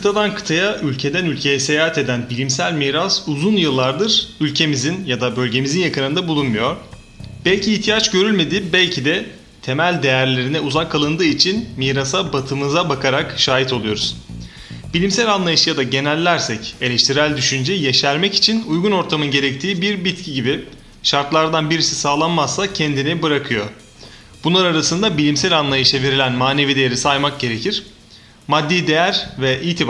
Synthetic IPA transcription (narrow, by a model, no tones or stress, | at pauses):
kʰɯt̪ʰad̪ankʰɯ̥t̪ʰajaʔylʲcʰe̞d̪ænylʲcʰe̞jɛse̞jaːɦat̪e̞d̪ænbilʲimsælʲmiːɾasuzunjɯlˠːaɾd̪ɯɾ̥ylʲcʰe̞mizinjad̪abølʲɟe̞mizinjakʰɯɾɯnd̪abulˠunmujo̞ɾ̥ | b̥ɛlʲcʰiːht̪ʰijat͡ʃɟø̞ɾylʲme̞d̪iːbælʲcʰid̪ɛ | t̪ʰe̞mælʲd̪e̞jæɾlʲe̞ɾinɛuzakʰːalˠɯnd̪ɯːit͡ʃʰinmiːɾasabat̪ʰɯmɯzabakʰaɾakʃaːɦit̪ʰo̞lˠujo̞ɾuz̥ | b̥ilʲimsælʲanlˠajɯʃjad̪aɟe̞nælʲːæɾsɛce̞lʲɛʃt̪ʰiɾælʲd̪yʃynd͡ʒɛjeʃæɾmɛci̥t͡ʃʰinujɡuno̞ɾt̪ʰamɯnɟe̞ɾɛc̚t̪ʰiːbiɾbit̪cʰiɟibi | ʃaɾt̪lˠaɾd̪anbiɾisi̥saːlˠanmasːacʰɛnd̪inibɯɾakʰɯjo̞ | b̥unlˠaɾaɾasɯnd̪abilʲimsælʲanlˠajɯʃɛve̞ɾilʲænmaːne̞vid̪e̞jeɾisajmak̚ɟe̞ɾe̞cʰiɾ̥ | mad̪ːijd̪e̞jæɾvɛʔiːt̪ʰi